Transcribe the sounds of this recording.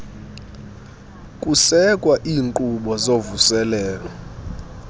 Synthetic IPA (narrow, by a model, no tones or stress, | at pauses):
kʼusɛkʼwaʔiːŋǃuɓɔzovusɛlɛːlɔ